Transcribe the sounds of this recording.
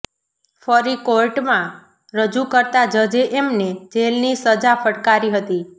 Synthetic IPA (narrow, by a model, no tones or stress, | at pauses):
fəɾikoɾʈmã | ɾəd͡ʒukəɾt̪ad͡ʒəd͡ʒeʔemned͡ʒelnisəd͡ʒafʰəʈkaɾiɦət̪i